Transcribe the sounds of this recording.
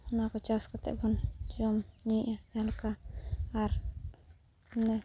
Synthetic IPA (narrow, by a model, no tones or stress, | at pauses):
unakɔt͡ʃaskɔt̪ɛ̰ʔbɔnd͡ʒɔmɲiʔaɛlkaː | ɾ | nɛ